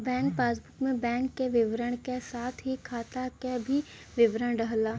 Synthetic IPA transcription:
bɛ̃ːŋk̚paːsbʊkmẽbɛ̃ːŋkːeʋɪʋɾəɽ̃kesaːt̪ʰɦikʰaːt̪akebʱi | ʋɪʋɾəɽ̃ɾəɦlaː

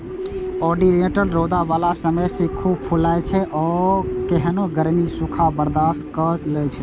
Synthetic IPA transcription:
ɔːɖineʈəlɾoːd̪aʋalasəməjsekʰubpʰulajt͡ʃʰɛʔɔːkeɦənoɡəɾmisukʰabəɾd̪aːskəslɛt͡ʃʰɛ

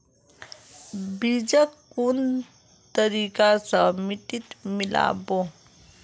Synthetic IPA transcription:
bid͡ʒəkːun | t̪əɾiːkasəmit̪it̪mɪla̰ːbo

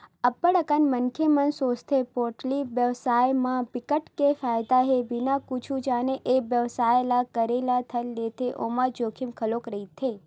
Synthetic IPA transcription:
əpːəɽəkənmənkʰemənsost̪ʰepoɾʈliʋjəʋsajmãpikəʈkefajd̪aɦebinakut͡ʃʰũd͡ʒaneʔeʋjəʋsajlakəɾelat̪ʰəlːet̪ʰeʔomãd͡ʒokʰimkʰəlokɾəɦit̪ʰe

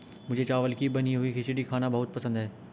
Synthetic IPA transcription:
mʊd͡ʒʱet͡ʃaːʋəlkibɐniɦuixɪʃɪɖikʰaːnabɐɦʊt̪̚pɐsə̃nd̪ɦɛː

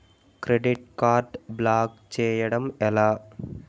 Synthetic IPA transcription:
kɾeɖɪʈ̚kaːɾʈblaːkt͡ʃeːjɐɽɐmɛlaː

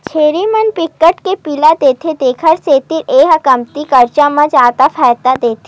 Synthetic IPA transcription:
t͡ʃʰeːɾimɐnpɪkːəʈkepilad̪eːt̪ʰed̪eːkʰəɾset̪iɾeːɦɐkəmt̪ikɐɾt͡ʃamɐ̃d͡ʒaːt̪apʰɛːt̪ad̪eːt̪ʰe

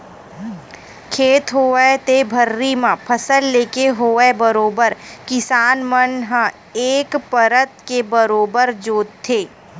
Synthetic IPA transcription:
kʰeːt̪ɦoːet̪ebʱəɾːimãpʰəsəlːeːkeɦoːebəɾoːbəɾkɪsaːnmənɦã | eːkpəɾət̪kebəɾoːbəɾd͡ʒoːt̪ʰːeː

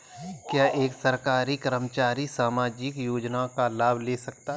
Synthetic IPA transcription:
kjaːʔeːksɐɾkaːɾikəɾəmət͡ʃaːɾisaːmaːd͡ʒɪkjoːd͡ʒnakalaːbʱleːsɐk̚t̪a

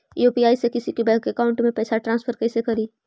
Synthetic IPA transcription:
juːpiaːisekɪsikebɛ̃ːŋkɐkaːʊ̃ɳʈmẽpɛːsaʈɾãːnspʰəɾkɛːsekɐɾiː

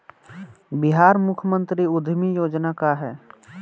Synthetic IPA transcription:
bɪɦaːɾmʊkʰjəmə̃nt̪ɾiʊd̪ʱmijoːd͡ʒnakaɦɛː

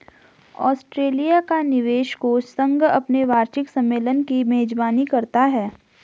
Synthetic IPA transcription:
ɔ̰ːsʈɾeːlijakanɪʋeːʃkosə̃ŋɡɐpneʋaːɾʃɪksɐ̃mːeːlənkimeːd͡ʒbaːnikɐɾt̪aɦɛː

